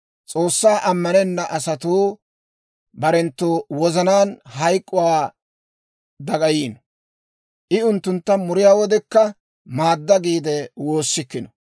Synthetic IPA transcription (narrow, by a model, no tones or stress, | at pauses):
t͡sʼo̞ːsːaːʔɐmːɐnɛnːɐʔɐsɐt̪uː | bɐɾɛnt̪ːoːwɔzɐnaːnhɐjkʼːʊwaː | d̪ɐɡɐjiːn | ʔɪʊnt̪ːʊnt̪ːɐmʊɾɪjaːwɔd̪ɛkːɐ | maːd̪ːɐɡiːd̪ɛwo̞ːsːɪkːɪnɔ̥